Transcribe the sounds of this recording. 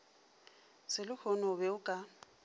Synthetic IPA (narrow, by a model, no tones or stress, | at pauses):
sɪlʊhʰɔnɔbɛʊkʼa